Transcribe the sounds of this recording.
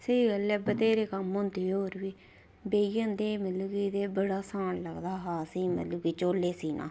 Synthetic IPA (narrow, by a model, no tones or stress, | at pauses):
seiːɡəlːɛːbət̪eːɾeːkəmʊnt̪eːoːɾʋiː | beːijə̃nd̪eːməluːkiːd̪eːbəɽaːsãːɳləɡd̪aːɦaːsiːmə̰t̪luːkiːt͡ʃoːlːeːsiːnʔã̰ː